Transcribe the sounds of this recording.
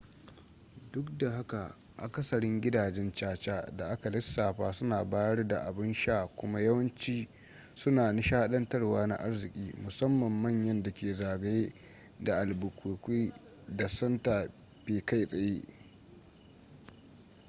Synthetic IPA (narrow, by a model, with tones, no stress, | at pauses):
dʊ˦kda˨ɦa˦ka˨ | ʔa̰˨kɐ˦sɐ˨ɽɪ˦ŋɡʲɪ˦daː˨d͡ʒɛ˦nt͡ʃaː˦t͡ʃaː˦da˨ʔa˦ka˨lɪ˦sːaː˨ɸaː˦sʊ˦naː˨baː˦jɐ˦rda˨ʔa˨bɪ˦nʃaː˦˨kʷʊ˦ma˦jɐ˦wɐ˦nt͡ʃiː˦ | sʊ˦naː˨nɪ˦ʃaː˦ɗɐ˦ntɐ˦rwaː˦na̰˦ʔa˦rzɪ˨kʲʼiː˦mʊ˨sɐ˦mːɐ˨mːɐ˦˨ɲjɐ˦nda˨kʲeː˨zaː˨ɡa˦jeː˦ | da˨ʔa˨lbʊ˨kʷuː˨kʷiː˦da˨sɐ˦ntaː˨ | b̥eː˨ka˦jsʼɐ˨jeː˦ʔ